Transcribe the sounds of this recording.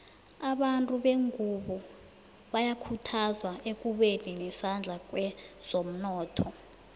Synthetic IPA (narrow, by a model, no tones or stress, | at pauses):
aɓantʼuɓeŋʱuɓɔ | ɓajakʰutʰazwaʔek̬ʼuɓeninɛsand͡ɮʱak̬ʼwɛz̥om̩nɔːtʰɔ